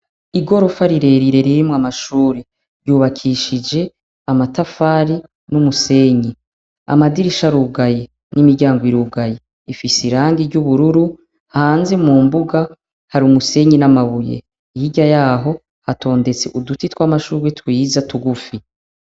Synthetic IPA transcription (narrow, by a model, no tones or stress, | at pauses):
iɡo̞ɾo̞faɾiɾe̞ɾiɾe̞ɾiɾimŋamaʃuːɾi | ɾjuːβakʰiʃid͡ʒe̞ | amatafaːɾi | numuse̞ːɲi | a̰madiɾiʃaɾuːɡaje | nimiɾɟaːŋɡoiɾuːɡaje | ifisiɾaːŋɡiɾɟuβuɾuɾu | hhaːnzemuːmbuɡa | haɾiumuse̞ːɲinamaβujḛ | ijiɟajaːɦo̞ | hato̞ːnde̞t͡se̞ʔudutitwamaʃuːwetwiːzatuɡufi